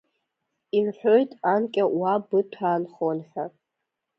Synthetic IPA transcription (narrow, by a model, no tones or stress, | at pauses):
imħʷᶣoɥtʼankʲʼawabɨtʷʰaːnχonħʷᶣa